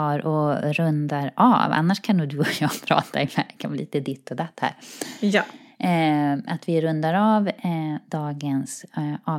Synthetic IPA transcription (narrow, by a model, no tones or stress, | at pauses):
ɑːɾʔɔɾɵnd̪aɾɑ̰va̰nːaʂkʰanʊːd̪ɵɔjɑːpʰɾɑ̰ːt̪ʰaɛlɛkʰanʋɪliːt̪əd̪ɪt̪ːɔd̪at̪ːhæ̰ːɾj | at̪vɪɾɵnd̪aɾavd̪ɑːɡənsɑː